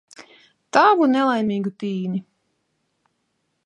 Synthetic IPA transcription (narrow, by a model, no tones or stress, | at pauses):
t̪aːvunɛlˠajmʲiːɡut̪iːni